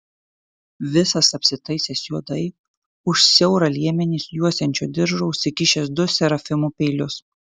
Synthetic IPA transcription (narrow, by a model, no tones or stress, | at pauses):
ʋʲɪsɐsɐpʲsʲɪt̪ɐɪsʲɛːsjuɔd̪ɐɪ | ʊʃsʲɛʊɾɐlʲiɛmʲɛnʲiːsjuɔsʲɛnʲt͡ʃʲoːd̪ʲɪɾʒoʊʃʲsʲɪkʲɪʃʲɛs̬d̪ʊsʲɛɾɐfʲɪmupʲɛɪlʲʊs